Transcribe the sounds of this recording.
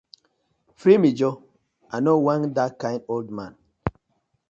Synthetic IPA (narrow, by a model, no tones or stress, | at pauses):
fɾimid͡ʒɔ | anɔwãŋdakãj̃ndoldmãn